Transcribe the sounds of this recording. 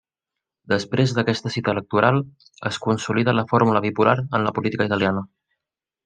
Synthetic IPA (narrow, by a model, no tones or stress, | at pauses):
d̪əspɾezðəkɛst̪əsit̪əːlək̚t̪uɾalˠ | ə̰skunsuliðələfoɾmuləβipulaɾənləpulit̪ikəit̪əlianə